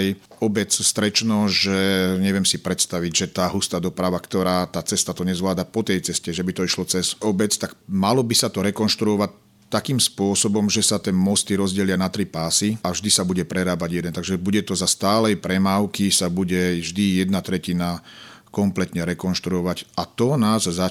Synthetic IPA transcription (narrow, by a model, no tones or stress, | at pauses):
j | ɔbɛt͡sst̪ɾɛt͡ʃnɔʒɛɲɛʋɪɛmsipɾɛt̪st̪aʋiɟʒɛt̪aːɦust̪aːd̪ɔpɾaʋakt̪ɔɾaːt̪aːt͡sɛst̪at̪ɔɲɛzʋlaːd̪apɔt̪ɛjt͡sɛscɛʒɛbit̪ɔiʃlɔt͡sɛzɔbɛt͡st̪aɡ̥malɔbisat̪ɔɾɛkɔnʃt̪ɾuɔʋac̚ | t̪ːakiːmspʊɔsɔbɔmʒɛsat̪ɛmɔst̪iɾɔzɟɛlɪanat̪ɾipaːsiavʒd̪isabuɟɛpɾɛɾaːbaɟjɛd̪ɛnt̪aɡʒɛbuɟɛt̪ɔzast̪aːlɛjpɾɛmaːʊkisabuɟɛʒd̪ijɛd̪nat̪ɾɛcina | kɔmplɛt̪ɲɛɾɛkɔnʃt̪ɾuɔʋacat̪ɔnaːzza